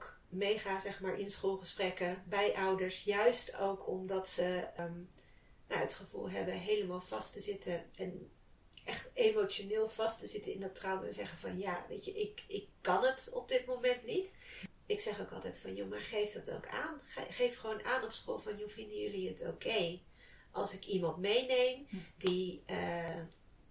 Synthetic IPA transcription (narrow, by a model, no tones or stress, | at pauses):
k | mejχaːzɛχmaːɹʔɪnsχolˠχəsprɛkəbɛjʔʌwdəɹsjœɥstowkʰɔmdɑtsəm | na̰ətχəv̥ṵlˠɦɛ̰bəɦejləmaːlˠv̥ɑstəzɪtəɛn | ʔɛχtemot͡ʃonɪːlˠv̥ɑstəzɪtəɪndɑtrɑwəzɛχəvɑnjaʋḛjtəʔɪkɪkːɑnətɔb̚dɪtmowmɛntnit | ɪksɛχowkɑlˠtɛjtfɑnjomaːɹχejfdɑto̰wkʰa̰ːnχχejfχəʋoːnaːnɔpsχoːlˠvɑnjuvɪndəjɵliəto̰wkʰej | ʔɑlˠsɪkimɑntmejnejmdiə